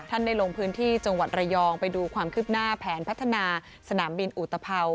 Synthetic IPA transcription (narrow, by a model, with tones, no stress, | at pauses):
t̪ʰa˥˩nda˥˩jlo˧ŋpʰɯː˦˥nt̪ʰiː˥˩t͡ɕa˧ŋwa˨˩t̪̚ɾa˧jɔː˧ŋpa˧jduː˧kʰwaː˧mkʰɯː˥˩p̚naː˥˩pʰɛː˩˦npʰa˦˥t̪ʰːa˧naː˧ | sa˧naː˩˦mbi˧nʔu˨˩t̪ʰːa˧pʰa˧w